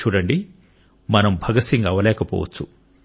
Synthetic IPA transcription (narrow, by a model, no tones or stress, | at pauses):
uːɽɐɳɖi | mɐnɐmbʱɐɡɐsiŋɡɐʋɐlɛːkɐpɔ̰ːʋɐ̰t͡ʃːu